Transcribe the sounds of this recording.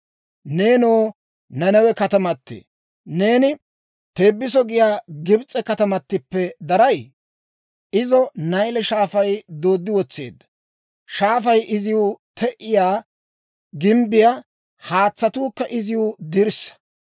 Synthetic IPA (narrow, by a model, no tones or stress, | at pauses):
ne̞ːnoː | nɐnɐwɛkɐt̪ɐmɐt̪ːḛː | ne̞ːnɪ | t̪e̞ːbːɪs̬ɔɡɪjaːɡɪbt͡sʼːɛkɐt̪ɐmɐt̪ːɪpːɛd̪ɐɾɐj | ʔɪzɔnɐjlɛʃaːfɐjd̪o̞ːd̪ːɪwɔt͡sːeːd̪ːɐ̥ | ʃaːfɐjʔɪzɪwʊt̪ʰɛʔɪjaː | ɡɪmbɪja | haːt͡sːɐt̪uːkːɐʔɪzɪwʊd̪ɪɾsːɐ̥